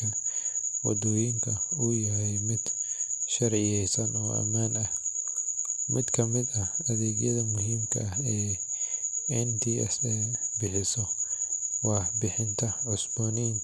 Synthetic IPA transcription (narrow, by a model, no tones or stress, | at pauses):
ɐwɔ̰d̪ujɪŋkʰɐʊjɐɦɛjmɪd̪̥ʃɐrʕɪjɛjsɐnɔːʔɐ̰maːnɐh | mʔɪd̪kʰɐmɪd̪ɐɐðɛːɡjɐðɐmʊɦiːmkʰɐ̰ɛː | ɪnt̪ʰiɛsɛbɪħɪsɔ | wɑħbɪħɪnt̪ʰɐʕʊsbɔːnɪn